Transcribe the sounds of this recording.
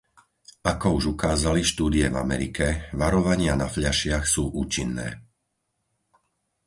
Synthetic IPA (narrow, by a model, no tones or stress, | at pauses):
akɔuʒukaːzaliʃt̪uːd̪iɛva̰mɛ̰ɾikʰɛʋaɾɔʋaɲɪanafʎaʃɪaxsuːʔuːt͡ʃinːɛ̰ː